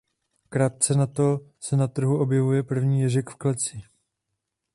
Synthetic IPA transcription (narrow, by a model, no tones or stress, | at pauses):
kɾaːt̪̚t͡sɛnat̪o̞sɛnat̪r̩ɦuʔo̞bjɛvujɛpr̩vɲiːjɛʒɛkfklɛt͡sɪ